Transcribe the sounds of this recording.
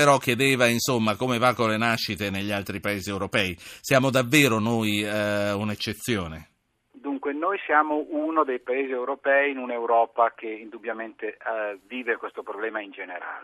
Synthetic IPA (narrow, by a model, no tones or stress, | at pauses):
peɾɔkːjed̪eːvainsomːakomevakːolːenaʃːit̪eneʎːalt̪ɾipaeːziewɾopɛːisjaːmod̪avːeːɾonojunet͡ʃːet̪sːjoːne | d̪uŋkwenojsjaːmoʔunod̪ejpaeːziewɾopɛːiːnunewɾɔːpakeind̪ubjament̪eviːvekwest̪opɾoblɛːmaind͡ʒeneɾa̰ːle